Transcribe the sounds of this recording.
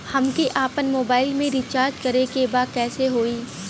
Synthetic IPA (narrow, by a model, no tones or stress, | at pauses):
hɐmkeʔaːpənmoːbaːɪlmẽɾit͡ʃaːɾd͡ʒkɐɾekebaːkɛːseɦoːiː